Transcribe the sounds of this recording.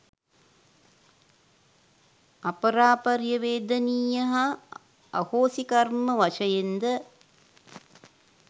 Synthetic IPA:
ɐpəɾaːpɐɾjəʋeːd̪əniːjɐɦa̰ː | hoːsikɐrməʋɐʃəjend̪ə

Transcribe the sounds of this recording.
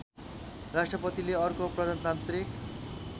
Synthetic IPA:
rasʈrʌpʌt̪ileʌrkopɾʌd̪ʱant̪ant̪ɾik

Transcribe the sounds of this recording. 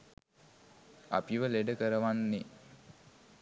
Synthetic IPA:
a̰piʋəleɖəkəɾəʋanːe

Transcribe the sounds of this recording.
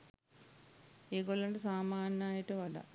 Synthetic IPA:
iːkolːɐɳɖɨsaːmaːnɐaːjiʈːɨʋɐɖɐ̰

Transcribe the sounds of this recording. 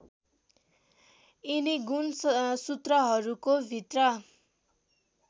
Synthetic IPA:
iniɡunsut̪rʌɦʌɾukobʱit̪rʌ

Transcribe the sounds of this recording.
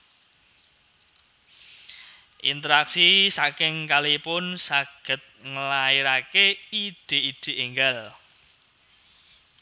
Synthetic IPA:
ʔḭnt̪əɾaksisakɪŋkalipʊnsaɡ̥ə̤t̪̚ŋəlaiɾakeid̥e̤iɖ̥e̤ʔiŋɡal

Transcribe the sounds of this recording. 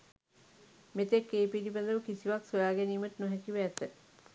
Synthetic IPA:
met̪ekːeːpilibəd̪əʋəkisiʋaksojaːɡɛniːməʈənoɦɛkiʋːt̪ə

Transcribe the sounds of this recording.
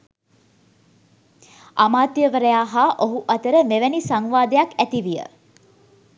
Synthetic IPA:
amaːt̪jəʋəɾəjaːɦaʔoɦuʔat̪əɾəmeʋænisaŋʋaːd̪əjakæt̪iʋijə̰

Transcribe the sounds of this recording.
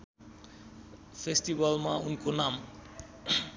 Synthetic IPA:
fesʈibalmaunkonam

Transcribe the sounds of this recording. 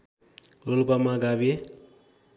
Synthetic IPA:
lolpamaɡabe

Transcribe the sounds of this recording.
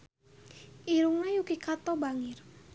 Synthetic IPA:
ʔiɾuŋnajukikat̪ɔbaŋɪr

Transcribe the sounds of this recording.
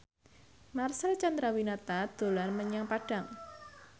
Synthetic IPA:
marsɛlt͡ʃand̪ɾawinat̪ad̪̥o̤lanməɲaŋpaɖ̥a̤ŋ

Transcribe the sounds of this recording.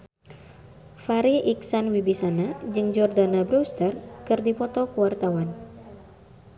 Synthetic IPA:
faɾiʔiksanwibisanad͡ʒɨŋd͡ʒɔrdanabɾust̪ərkɨrdipɔt̪ɔkuwart̪awan

